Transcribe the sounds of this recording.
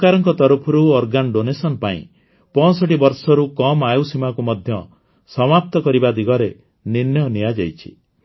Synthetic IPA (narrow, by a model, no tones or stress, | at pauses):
kaɾɔŋkɔt̪ɔɾupʰɔɾuɔɾɡanɖonesɔnpaḭ̃ | pɔ̃sɔʈ̬ibɔɾsɔɾukɔmajusimakumɔd̪ʱjɔ | sɔmap̚t̪ɔkɔɾibad̪iɡɔɾe | ninjɔnijad͡ʒajt͡ʃʰi̥̰